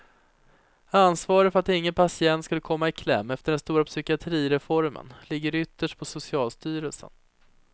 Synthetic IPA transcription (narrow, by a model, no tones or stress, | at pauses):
ansvɑːɾəfœɾat̪ɪŋːənpʰasɪɛnt̪skɵlːəkʰɔmːaɪkʰlɛ̰mːɛft̪əɖɛnst̪uːɾapsʏkɪat̪ʰɾiːɾɛfɔɾmə̰nlɪɡːəɾʏt̪ːəʂʈ̚pʰɔsʊsɪɑːlst̪yːɾəlsə̰n